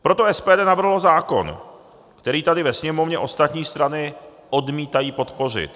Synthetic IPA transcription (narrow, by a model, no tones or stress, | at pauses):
pɾo̞t̪oɛspɛːdɛːnavr̩ɦlozaːko̞̰n | kt̪ɛɾiːt̪adɪvɛsɲɛmo̞vɲɛʔo̞st̪at̪ɲiːst̪ɾanɪ | ʔodmiːt̪ajiːpo̞t̪po̞r̝ɪ̰t̪